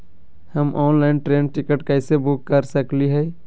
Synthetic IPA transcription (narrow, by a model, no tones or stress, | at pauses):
həmʔɔːnlaːɪnʈɾeːnʈɪkəʈkɛɪsebʊkːəɾsəkliɦɛ